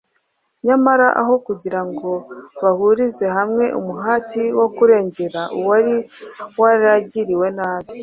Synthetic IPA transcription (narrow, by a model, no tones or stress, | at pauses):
ɲamaɾaʔa̰ɦo̞kuɟiɾaŋɡo̞βahuɾize̞hamŋe̞ʔṵmuɦaːtiwo̞kuɾe̞ːɲɟe̞ɾaʔuwaɾiwaɾɾaɟiɾiwe̞naːβi